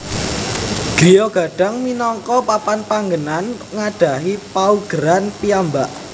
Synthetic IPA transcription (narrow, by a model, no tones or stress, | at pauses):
ɖ̥i̤jɔɡ̥a̤ɖ̥a̤ŋminɔŋkɔpapanpaŋɡənan | ŋaɖ̥a̤ɦipauɡ̥əɾanpiambaʔ